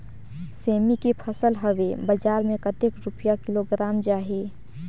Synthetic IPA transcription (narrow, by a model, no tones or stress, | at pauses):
seːmikipʰəsəlɦəʋebəd͡ʒaːɾmẽkət̪ekɾʊpjakɪloɡɾaːmd͡ʒaːɦeː